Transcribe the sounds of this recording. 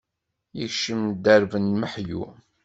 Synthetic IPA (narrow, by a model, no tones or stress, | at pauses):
jəçʃəmd̪əɾvənməħjṵ